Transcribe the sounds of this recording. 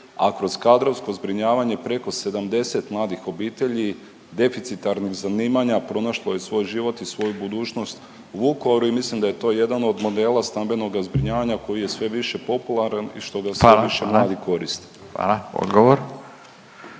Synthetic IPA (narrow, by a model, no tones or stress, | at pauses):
a̰kɾo̞z̥kad̪ɾo̞ʋsko̞zbɾiɲaːʋaɲe̞pɾe̞ko̞se̞d̪amd̪e̞se̞t̪mlˠaːd̪ixo̞biːt̪eʎi | d̪e̞fit̪sit̪aɾniɣzaniːmaɲapɾo̞naʃlˠoje̞sʋo̞ːjʒiʋo̞t̪isʋo̞jubud̪uːt͡ʃno̞st̪ | uʋukoɾuimislimd̪aje̞t̪o̞ːje̞d̪ano̞d̪mo̞d̪e̞ːlˠast̪ambe̞no̞ɡazbɾiɲaːʋaɲako̞jije̞sʋe̞ʋiʃe̞po̞pulˠaɾanḭʃt̪o̞ɡaseʋiʃemlaːd̪iko̞ɾist̪e | ʋa̰lao̰d̪ɡoʋoɾ